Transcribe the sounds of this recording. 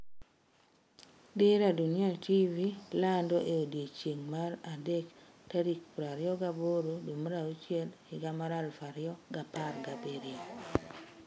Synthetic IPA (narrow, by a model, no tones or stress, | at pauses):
deɾaduniativilandɔʔeodjet͡ʃeŋmaɾadɛk | taɾikpɾaɾɪɔɡaboɾodomɾaut͡ʃjɛlhɪɡamaɾalfaɾɪɔɡaparɡabeɾia